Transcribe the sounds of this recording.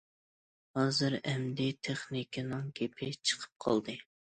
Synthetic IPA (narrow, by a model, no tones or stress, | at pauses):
hɑːzɨɾɛmd̪ɪt̪ʰeχnikʰʲɪnɨŋɡʲepʰɪt͡ʃʰə̥qʰə̥p̚qʰɑ̰lˠd̪ɨ